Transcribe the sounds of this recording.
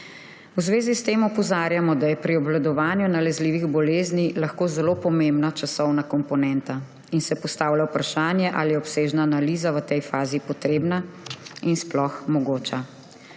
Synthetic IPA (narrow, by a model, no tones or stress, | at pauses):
wzʋeːzist̪eːmɔpɔzaːɾjamɔd̪ajɛpɾiɔbʋlad̪ɔʋaːnjunalɛzliːʋiɣbɔleːznilaxkoːzɛlopɔmembnat͡ʃasɔwnakɔmpɔnɛnt̪a | insɛpɔst̪aːwlawpɾaʃaːnjɛʔa̰lijɛɔpseːʒnaːnaliːzaʋət̪ɛjfaːzipɔt̪ɾeːbnainsplɔxmɔɡoːt͡ʃa